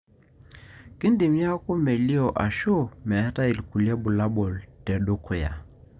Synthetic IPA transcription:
ki˦ndi˨mja˦ko˦mɛ˨li˦ɔ˨ʔa˨ʃo˦˨mɛ˨a˦ta˦i˨lku˨lja˦bu˨la˦bɔ˨ltɛ˨ɗo˦ko˨ja̰˨

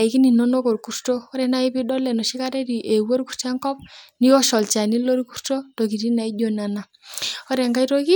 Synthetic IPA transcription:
i˨ki˦ni˨no˦no˦ko˨ɾku˨ɾto˦ɔ˦ɾɛ˦na˦i˦pi˦ɗɔ˦lɛ˨nɔ˨ʃi˦ka˦ɾɛ˦ɾi˨ʔe˨wo˦ɾku˨rt͡ʃa˦ŋkɔ˦p̚ni˦ɔ˦ʃɔ˨lt͡ʃa˨ni˦lo˦ɾi˦ku˦rto˦to˨ki˨ɾi˦na˨i˦d͡ʒo˨na˨na˨ | ɔ˦ɾɛ˨ŋɡa˦i˦to˦ki˦

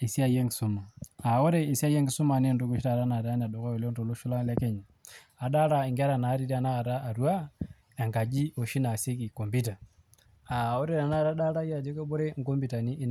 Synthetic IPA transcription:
i˨si˦a˦jɛ˦ŋɡi˨su˨˦ma˨a˨o˦ɾe˦i˨si˦a˦jɛ˦ŋɡi˦su˦ma˨ne˦ndu˦ku˨˦ʃi˦ɾa˦˨ɾa˦na˨ɾa˦n˨a˨dɔ˨kɔ˦ɔ˨le˦n˦to˨lo˦ʃu˦la˦la˦ke˦ɲa˨ | a˨ɗa˦ɾa˦˨i˨ŋɡa˦ɾa˨na˨˦ɾi˦ɾa˨na˦a˨ɾaː˦˨ɾwa˦ | ɛ˨ŋɡa˨d͡ʒi˦o˨ʃi˦na˨si˦ki˨kɔ˨mbi˦ta˨ | a˨o˦ɾe˦˨ɾa˨na˦˨ɾa˦ɗa˦ɾa˦i˦a˨d͡ʒe˦kɔ˦bo˦ɾɛ˦ŋ̩˦kɔ˦mbi˨ta˨niː˦n

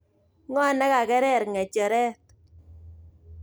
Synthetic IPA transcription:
ŋɔ˦nɛ˦ka˨kɛ˦ɾɛ˦˨ɾŋɛ˨t͡ʃɛ˨ɾɛ˦t

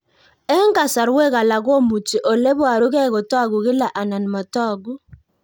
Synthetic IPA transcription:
ɛ˦ŋ˦ɡa˨sa˨ɾwe˦˨ɣa˨la˨ɡo˦mu˨ti˨ʔɔ˨le˦bwa˨ɾu˦kɛ˦˨ɣɔ˨tɔ˦˨ɡu˨ɣɪ˦la˨ʔa˨na˨n˨mɔ˨tɔ˦˨ɡu˦

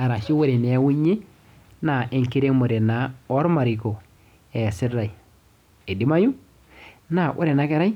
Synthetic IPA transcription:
a˨ɾa˨ʃi˦we˦ɾe˨n˨e˦wu˦ɲe˦ | na˨ʔe˨ŋki˦ɾe˦mo˨ɾe˨na˨o˦ɾma˨ɾi˨ko˨ | e˨sɪ˦ɾa˨j | e˨di˨˦ma˦ju˦ | na˨wʔo̰˦ɾe˨na˦ke˦ɾa˦j

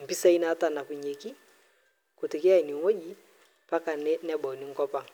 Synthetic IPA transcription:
m̩˨pi˦sa˦i˦na˦ta˨na˨ku˨ɲe˨ki˦ | ku˨tɪ˨kɛ˦a˦i˨ni˨ŋo˦ʄi˨ | pa˦ka˨nnɛ˦ɓɔ˨ni˨ŋ̩˦kɔ˦pa˦

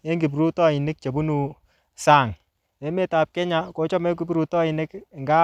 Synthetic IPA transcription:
e˦ŋɡi˨p̬ɾu˦tɔ˦i˨nɪ˦k̚t͡ʃe˨bu˦nu˨ | saː˦˨ŋ | e˨˦me˦ta˨p̚kɛ˦ɲa˦ko˨˦t͡ʃɔ˦me˦k̬u˨˦bɾu˨tɔ˦ɪ˨nɪ˦kŋɡa˦

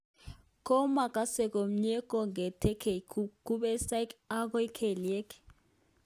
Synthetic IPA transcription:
kʼɔ˦ma˨kʼa˨˦sɛ˨k̬ʼo˨m̩˦ɲɛ˦k̬ʼɔ˨ŋɡʱɛ˨tʰɛ˦kʰe˨kuku˦ɓɛ˦sa˦ka˦k̬wɛ˦kʰɛ˨li˨ɛ˦kʰʼ

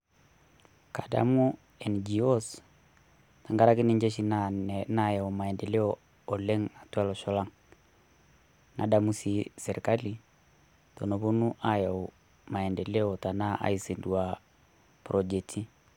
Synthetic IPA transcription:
ka˨da̰˦mu˦ | ɛ˨nd͡ʒi˨o˦s | na˨ŋɡa˦ɾa˦kɪ˦ni˦ɲd͡ʒe˦ʃi˦nna˦ja˨ɔ˨ma˨ɛ˨ndɛ˨lɛ˦ɔː˨ | lɛ˦ŋa˨twa˦lɔ˨ʃɔ˦la˦ŋ | na̰˨da˨mu˦sisɛ˨ɾka˦li˨ | to˨no˨βo˦nu˦ʔa˨ja˨ | ma˨ɛ˨ndɛ˨lɛ˦ɔ˨ta˨na˦ʔa̰˨i˨se˨ndua˨ | pɾɔ˨d͡ʒɛ˨tʰi˦

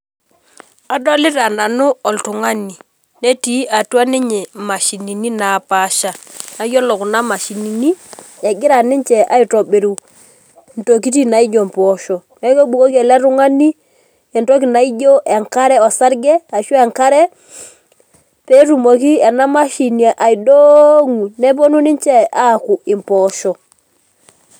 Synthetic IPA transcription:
a˨do˦lɪ˦ɾa˨na˨nu˦ɔ˨ltu˨ŋa˦ni˨ | ne˦ti˦ʔa˨tu˦a˦ni˦ɲɛ˨ma˨ʃi˨ni˨ni˦na˨pa˦˨ʃa˦˨na˨˦jɔ˦lɔ˨ku˨na˦ma˨ʃi˨ni˨ni˦e˨ɡɪ˦ɾa˨ni˦ɲt͡ʃɛ˨ʔa˦i˨to˨be˨ɾu˨ | n˨to˨ki˦ti˦na˨i˦d͡ʒo˨m˨pɔ˨˦ʃɔ˨nɛ˦ke˦ɓu˨ko˦ke˨le˦ɾu˦ŋa˦ni˦ | ɛ˨nto˦k̬i˨na˨i˦ɟo˦ʔe˨ŋka˦ɾɛ˦o˨sa˦ɾɡɛ˦a˨ʃu˦e˨ŋka˦ɾɛ˦ | pe˦tu˨mo˨ki˦e˨na˦ma˦ʃi˨ni˨e˨ʔa˨i˨do˦ŋu˨ne˦po˦nu˦ni˦nt͡ʃɛ˦a˦˨ku˨ɪ˨mpɔ˨ʃɔ˨

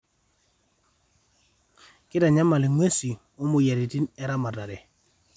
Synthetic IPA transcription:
kɪ˦da˨ɲa˦ma˨lɪ˨ŋwe˦si˨ | o˦mo˨ja˨ɾi˨ti˦nɛ˨ɾa˦ma˨ta˨ɾɛ˨

